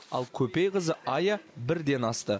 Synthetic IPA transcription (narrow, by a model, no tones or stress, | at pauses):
ɑ̰lˠkʲʰɵpejqəzəʔɑjabɪɾd̪e̞nɑst̪ə